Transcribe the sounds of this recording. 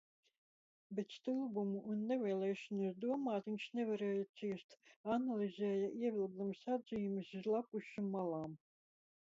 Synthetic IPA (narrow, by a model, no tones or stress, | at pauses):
bʲet̪st̪ɨlˠbumuʔːnːevʲɛːlˠɛːʃɔnasd̪uɔmaːt̪vinʲʃnʲevaɾɛːjasiːst̪analʲˠizʲɛːjɐʔiɛvʲilˠɡ̪umsad̪zʲiːumɨsizlˠapuʃimmːalˠɑːm